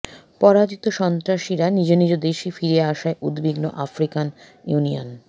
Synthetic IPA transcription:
pɔɾad͡ʑit̪oʃɔnt̪ɾaʃiɾanid͡ʑonid͡ʑod̪eʃifiɾieaʃaeʔud̪biɡno̰ʔafɾikan | junio̰n

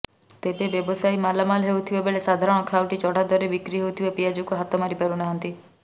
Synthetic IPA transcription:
t̪ebebjɔbɔsajmalamalɦewt̪ʰibebeɭesad̪ʱaɾɔɽ̃ɔkʰawʈit͡ʃɔɽ̤ʱad̪ɔɾebikɾiɦewt̪ʰibepijad͡ʒukuɦat̪ɔmaɾipaɾunaɦɔnt̪i

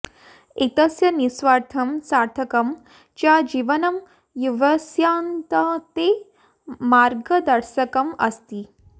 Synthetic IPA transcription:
it̪ɐsjɐnisʋaːɾt̪ʰɐmsaːɾt̪ʰɐkɐm | t͡ʃaːd͡ʒiːʋɐnɐm | juʋɐsjaːnt̪ɐt̪e | maːɾɡɐd̪ɐɾʃɐkɐmɐ̰st̪i

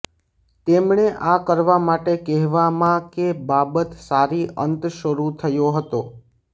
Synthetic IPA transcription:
t̪emɳeʔakəɾʋamaʈekɛɦʋamãkebabət̪saɾiənt̪ʃəɾut̪ʰəjoɦət̪o

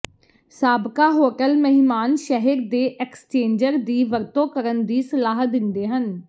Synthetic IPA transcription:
saːbkaːɦoːʈəlməɦɪmaːnʃɛɦəɾd̪eːʔɛːkst͡ʃeːɲd͡ʒəɾd̪iːʋəɾt̪õːkəɾənd̪iːsəlaːɦd̪ɪnd̪eːɦən

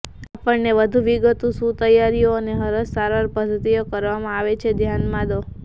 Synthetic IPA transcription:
apəɳneʋəd̪ʱũʋiɡət̪ũsũt̪əjaɾijoəneɦəɾəssaɾʋaɾpəd̪ʱət̪ijokəɾʋamãaʋet͡ʃʰed̪ʱjanmãd̪o

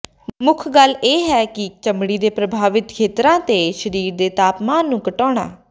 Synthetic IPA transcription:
mʊkʰɡəlːeːɦɛːkɪt͡ʃəmɽiːd̪eːpɾəbʱaːʋɪt̪kʰeːt̪ɾãːt̪eːʃəɾiːɾd̪eːt̪aːpmaːnːũːkəʈɔːɽa̰ː

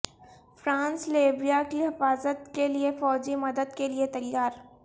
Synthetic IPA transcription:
fɾãːnsleːbɾijakiɦɪfaːzət̪keliefɔːd͡ʒimɐd̪əd̪keliet̪ɐjːaːɾ

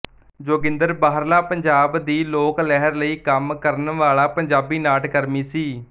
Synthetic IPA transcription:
d͡ʒoːɡɪ̃nd̪əɾbaːɦəɾlaːpəɲd͡ʒaːbd̪iːloːklɛɦəɾləiːkəmkəɾənʋaːɭaːpəɲd͡ʒaːbiːnaːʈkəɾmiːsiː

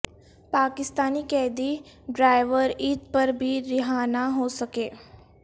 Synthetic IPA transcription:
paːkɪst̪aːnikɛːd̪i | ɖɾaːɪʋəɾiːt̪̚pɐɾbʱiɾɪɦaːnaɦoːsɐkeː

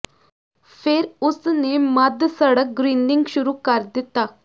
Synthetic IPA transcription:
pʰɪɾʊsneːməd̪səɽək̚ɡɾiːnɖɪŋɡʃʊɾuːkəɾd̪ɪt̪ːaː

